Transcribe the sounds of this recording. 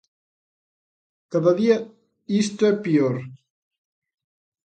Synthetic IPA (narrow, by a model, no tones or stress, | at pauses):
kaðaðia | ist̪oɛpioɾ